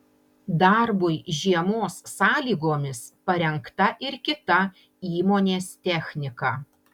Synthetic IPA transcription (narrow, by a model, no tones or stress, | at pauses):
d̪ɐɾbʊɪʒʲiɛmoːsːɑːlʲiːɡoːmʲɪspɐɾʲɛŋkt̪ɐʔɪɾkʲɪt̪ɐ | iːmoːnʲeːst̪ʲɛxʲnʲɪkɑː